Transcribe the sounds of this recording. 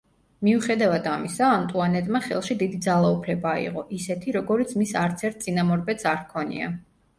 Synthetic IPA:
miuχɛd̪avad̪amisaːmt̪ʼuanɛt̪ʼmaχɛ̰lˠʃid̪id̪id̪zalˠaupʰlɛbaḭqʼɔʔisɛt̪ʰiɾɔɡɔɾit̪sʰmisaɾt̪sʰɛɾt̪̚ʰsʼinamɔɾbɛt̪saɾkʰɔnḭa̰

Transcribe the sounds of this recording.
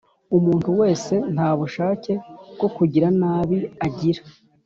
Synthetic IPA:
umuːnhuwe̞ːse̞n̥haːβuʃaːce̞bɡo̞kuɟiɾanaːβiaɟiɾḁ

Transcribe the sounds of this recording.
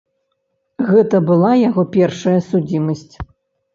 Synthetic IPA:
ɣɛt̪ɐbɨlˠajaɣɔpʲɛrʂɐjɐsud͡zʲimɐsʲt͡sʲ

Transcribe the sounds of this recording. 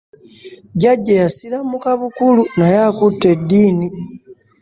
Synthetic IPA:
ɟaɟːajasilamukaβukulunajakutːe̞dːiːni

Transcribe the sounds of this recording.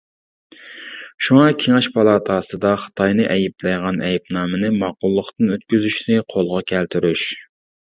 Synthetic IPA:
ʃuŋɑkʲʰeŋɛʃpʰɑlˠɑːt̪ʰɑːsɨd̪ɑχə̥t̪ʰɑjnɨʔɛjiplɨjʁɑnʔɛjɛp̚nɑːmɨnɨmɑqʊlˠːəχt̪ɨnøt̪kʲyzyʃnɪqʰolˠʁɑkʲʰælt̪ʰyɾyʃ

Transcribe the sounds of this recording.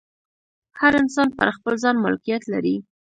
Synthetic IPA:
haɾɪnsɑnpaɾxpəlzɑnmʊ̰lkijat̪laɾi

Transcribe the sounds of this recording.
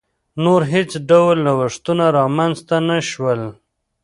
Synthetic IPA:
noɾɦet͡sɖawlnawaʂt̪unaɾɑmanzt̪anaʃwəl

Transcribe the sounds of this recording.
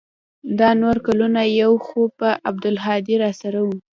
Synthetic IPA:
d̪ɑnoɾkalunajawxopəʔab̚d̪ʊlɦɑd̪iɾɑsaɾawu

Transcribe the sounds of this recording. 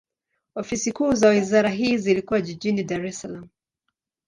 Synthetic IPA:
ɔfisikuːzawizaɾaɦiːzilikuwaʄiʄinidaɾɛsalamu

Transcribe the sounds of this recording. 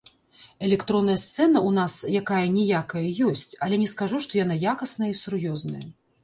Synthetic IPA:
ɛlʲɛkt̪ɾɔnːɐjɐst̪sɛnɐunasjakajɐnʲɛjakɐjɐjɔsʲt͡sʲɐlʲɛnʲɛskaʐuʂt̪ɔjanajakɐsnɐjɐisurjɔznɐjɐ

